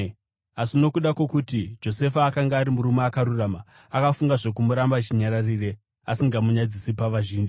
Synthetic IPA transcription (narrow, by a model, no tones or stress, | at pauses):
asino̞kuɗakwekutid͡ʒo̞se̞faːkaŋɡaːɾimuɾumeakaɾuraːma | akafuŋɡaʐe̞k̬umuɾambat͡ʃiɲaɾarire̞ | asiŋɡamuɲad͡zisipaʋaʒiːnd͡ʒi